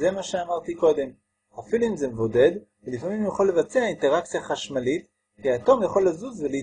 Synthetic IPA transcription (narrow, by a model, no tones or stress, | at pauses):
ze̞maʃeamaʁt̪iko̞d̪e̞m | afiluimze̞mevo̞de̞d | velifamimjaχolːe̞vat͡seainte̞ʁakt͡sijaχaʃmalit | kiatomjaχo̞lːazuzvelei